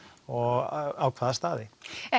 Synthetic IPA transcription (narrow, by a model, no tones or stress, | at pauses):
ɔɣawkʰvaːðast̪aːðɪɛ